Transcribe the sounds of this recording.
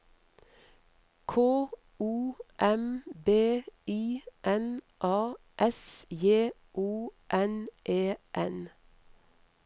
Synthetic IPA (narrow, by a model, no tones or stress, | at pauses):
kʰoː | uːʔɛmbeːiːʔɛn | ʔɑː | ʔɛsjeː | ʔuːʔɛnʔeːʔɛn